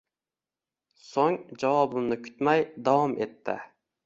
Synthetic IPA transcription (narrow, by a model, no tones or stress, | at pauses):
soŋd͡ʒɑwɑbɨmnɨkʲʰy̥t̪mɛjd̪ɑwɑmet̪ʰːɪ̰